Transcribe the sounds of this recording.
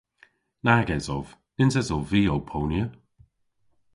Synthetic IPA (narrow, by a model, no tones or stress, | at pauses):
naɡɛzɔv | ɪnzɛzɔviːowpʰownjə